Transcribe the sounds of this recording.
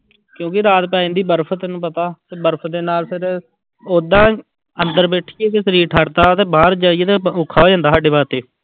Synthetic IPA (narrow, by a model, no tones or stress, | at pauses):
kjõːkɪɾaːt̪̚paːĩːd̪iːbəɾpʰt̪enũːpət̪aːt̪eːbəɾpʰd̪eːnaːlpʰɪɾ | oːd̪ãː | ənd̪əɾbeːʈʰiːeːkesəɾiːɾʈʰaːɾt̪aːt̪eːbaːɾd͡ʒaːieːt̪eːʊkʰːaːɦoːd͡ʒãːnd̪aːsaːɖeːbaːɾt̪eː